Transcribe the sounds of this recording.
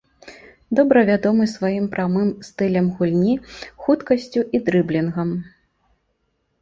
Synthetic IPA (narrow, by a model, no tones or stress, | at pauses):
d̪ɔbɾɐvʲad̪ɔmɨsvajimpɾamɨmst̪ɨlʲɐmɣulʲnʲixut̪kɐsʲt͡sʲuʔid̪ɾɨblʲinɣɐm